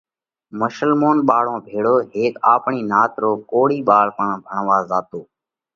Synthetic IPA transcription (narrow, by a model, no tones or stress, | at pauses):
məʃəlmoːnɓaːɽ̤õːbʱeːɽoːɦeːka̰ːpɳiːnaːt̪ɾoːkoːɽiːɓaːɭpəɳbʱəɳʋaːzaːt̪oː